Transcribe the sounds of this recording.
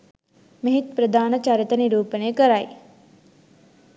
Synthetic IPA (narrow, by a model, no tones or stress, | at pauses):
mɐɦit̪pɾəd̪aːnɐt͡ʃaːɾjət̪ɐniɾuːpəneːkəɾaji